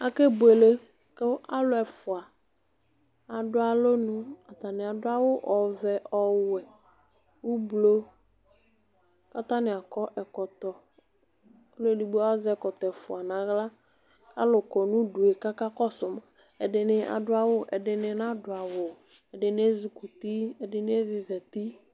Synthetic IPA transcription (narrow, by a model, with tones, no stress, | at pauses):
a˨ke˦bʊ˨e˨le˦ | kɪ˦a˦lʊ˦ɛ˨fʊ˨a˨ | a˨dʊ˦a˨lo˦nʊ̃˦a˨t̪a˨nɪ˨a˨dʊ˦a˦wʊ˦ʔɔ˨vɛ˨ʔɔ˦wʊ˨ɛ˨ | u˦blo˦ | ka˦t̪a˦nɪ˨a˨kɔ˦ʔɛ˨kɔ˨t̪ɔ˨˦ | lo˦di˨ba˦zɛ˦˨kɔ˨tɛ˨fʊ˨a˨nã˨ɣla˦ | a̰˦lʊ˨kɔ˨nʊ̃˦du˨e˨ka˦ka˦kɔ˦sʊ˨m˨ | ɛ˨dɪ˨nɪ˨a̰˨dʊ˦a˨wʊ˦ʔɛ̰˨dɪ˨nɪ˨n˦a˦dʊ˨a˨wʊ˨ | ɛ˨dɪ˨nɪ˦ɛ˦zi˨ku˨ti˦ɛ˨dɪ˦nɪ˦ɛ˦zɪ˨zɛ˨ti˦